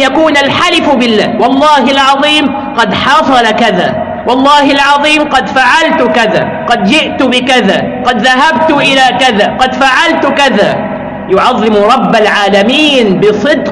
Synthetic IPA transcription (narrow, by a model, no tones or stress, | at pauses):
jakuːnalħalɪfbɪlːaːwɑlˤːɑːhɪlʕɑðˤiːm | qɑd̪ħɑsˤɑlakaðaː | wɑlˤːɑːhɪlʕɑðˤiːmqɑd̪faʕalt̪ʊkaða̰ː | qɑd̪d͡ʒɪʔt̪ʊbɪkaðaː | qɑd̪ðaɦab̚t̪ʊʔɪlaːkaðaːqɑd̪faʕalt̪ʊkaðaː | jʊʕɑðˤːɪmɾˤɑbːalʕaːlamiːnbɨsˤɨd̪q